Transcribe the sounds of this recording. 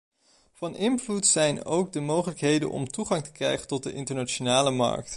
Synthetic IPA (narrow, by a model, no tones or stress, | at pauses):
v̥ɑnʔɪnvlutsɛjno̰wɡ̚dəmowχələkɦejdə̰nʔɔ̰mtuχɑŋtə̥krɛ̰jχəntɔt̚dəʔɪntəɹnat͡ʃonaːləmɑ̰ɹk̚t